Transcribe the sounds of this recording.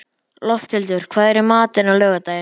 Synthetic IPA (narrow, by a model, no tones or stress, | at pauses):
lɔft̪ʰɪlt̪ʏɾ̥kʰv̥aːðɛɾɪmaːt̪ɪnawlœːɣat̪aːjɪ